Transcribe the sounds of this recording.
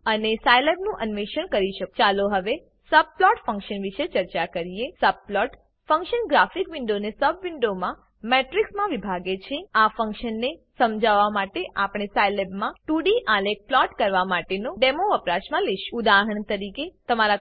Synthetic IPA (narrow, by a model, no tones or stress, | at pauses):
ənesajlebnũʔənʋiʃəɳkəɾiʃəkt͡ʃaloɦəʋe | səb̚plɔʈfʰə̃ŋkʃənʋiʃet͡ʃəɾt͡ʃakəɾiesəb̚plɔʈ | fə̃ŋkʃənɡɾafikʋɪɳɖonesəbʋɪɳɖomã | meʈɾiksmãʋibʱaɡet͡ʃʰeafə̃ŋkʃənːesəmd͡ʒaʋamaʈeʔapɳ̃esajlebmãʈuɽiʔalek̚plɔʈkəɾʋamaʈenoɖemoəpɾaʃmãliʃud̪aɦəɳt̪əɾiket̪əmaɾa